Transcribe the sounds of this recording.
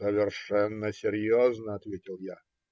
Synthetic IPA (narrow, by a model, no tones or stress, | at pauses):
səvʲɪrʂɛnːəsʲɪɾʲjoznəɐt̪vʲetʲɪlˠja